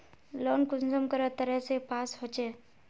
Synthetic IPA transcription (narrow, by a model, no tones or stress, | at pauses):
lɔːnkʊnsəmkəɾət̪əɾɛɦsepaːsɦoːt͡ʃeː